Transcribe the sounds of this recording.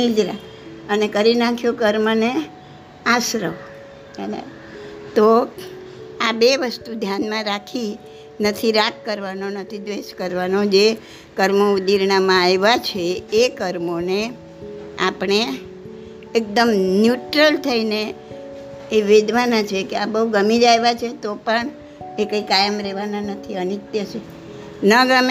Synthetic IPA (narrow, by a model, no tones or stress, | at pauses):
id͡ʒɾa | ənekəɾinakʰjõkəɾməne | aʃɾəʋ | enḛ | t̪o | abeʋəst̪ud̪ʱjanmãɾakʰi | nət̪ʰiɾakkəɾʋanonət̪ʰid̪ʋeʃkəɾʋanod͡ʒe | kəɾmoud̪iɾnamãajʋat͡ʃʰeːkəɾmone | a̰pɳeː | k̚d̪əmnjuʈɾəlt̪ʰəineː | ʋed̪ʋanat͡ʃʰekeabəɦuɡəmid͡ʒajʋat͡ʃʰet̪opəɳ | ekəikajəmɾɛʋananət̪ʰiənɪt̪jəʃʰe | nəɡəm